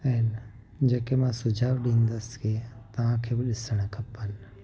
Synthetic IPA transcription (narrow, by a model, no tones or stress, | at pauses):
ɛːl | d͡ʒeːkemãsʊd͡ʒʱaːʋɗĩːnd̪əske | t̪ɐʋãːkʰebɪɗɪsəɽ̃kʰɐpːən